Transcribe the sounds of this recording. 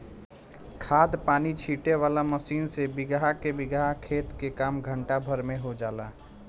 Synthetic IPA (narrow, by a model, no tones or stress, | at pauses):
kʰaːd̪paːnit͡ʃʰiːʈeʋaːlaməsiːnsebɪɡaɦakebɪɡaɦkʰeːt̪kekaːmɡʱəɳʈabʱəɾmẽɦod͡ʒaːlaː